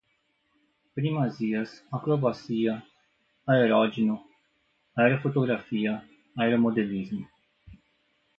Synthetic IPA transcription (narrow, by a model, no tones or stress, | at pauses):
pɾimaziɐsakɾobasiɐ | aeɾɔd͡ʒinu | aeɾofot̪oɡɾafiɐ | aeɾomod̪elizmu